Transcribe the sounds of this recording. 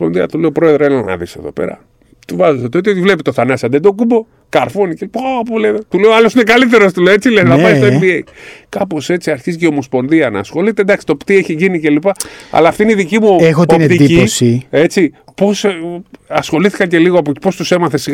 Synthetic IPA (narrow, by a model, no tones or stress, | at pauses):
spo̞nðiɐt̪uleopɾo̞e̞ðɾselenɐ̰nɐ̰ðise̞̰ðo̞̰pe̞̰ɾɐ̰ | t̪uvɐzeset̪ot̪iot̪ivle̞pit̪oθanɐsɐðed̪o̞kumbo̞ | kɐɾfonicelipaapoleðot̪uleoɐlo̞sine̞kalit̪̬e̞ɾost̪uleoet͡silesnɐpɐist̪oembieikɐpo̞se̞t͡siɐɾçizceo̞mo̞spo̞nðiɐnɐ̰ːsxo̞lit̪e̞nd̪ɐksi̥t̪o̞pt̪ieçiʝinice̞lipɐɐ̰lɐːft̪ineiðicimuexotoneid̪iisie̞t͡sipo̞s | ɐsxo̞liθi̥kɐce̞liɣoɐpoi̥po̞st̪use̞mɐθe̞siɣ